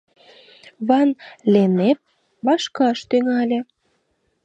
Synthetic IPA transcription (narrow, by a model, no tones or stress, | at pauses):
βɑnlʲenep̚ | βɑʃkɑʃt̪yŋɑlʲĕ